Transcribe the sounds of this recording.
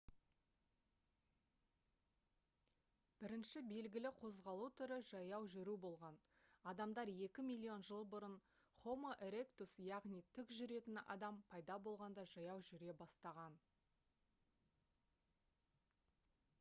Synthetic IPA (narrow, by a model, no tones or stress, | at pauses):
b̥ɪɾɪnʃɪbe̞lɡʲɪlɪqʰo̞zʁɑlˠut̪ʰʏɾɪʒɑjɑwʒʏɾubo̞lˠʁɑnɑd̪ɑmd̪ɑɾje̞kʲɪmijlʲˠːio̞nʒəlˠbʊɾən | χo̞moʔeɾe̞kt̪usjɑʁnijt̪ʰʏkʒʏɾe̞t̪ɪnɑ̰d̪ɑmpʰɑjd̪ɑbo̞lˠʁɑnd̪ɑʒɑjɑwʒʏɾe̞bɑst̪ɑʁɑn